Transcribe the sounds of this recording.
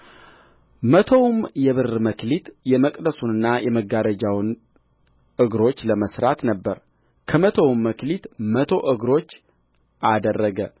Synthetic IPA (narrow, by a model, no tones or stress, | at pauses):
mət̪ʰowmjɛβɨrməklit̪jɛməkʼd̪əsunɨnːajɛməɡaɾəd͡ʒawn | ʔɨɡɾo̞t͡ʃːləməsɾat̪nəbːəɾ | kʰəmət̪ʰəwmːəklit̪mət̪ʰo̞ʔɨɡɾo̞t͡ʃː | ʔad̪ərːəɡə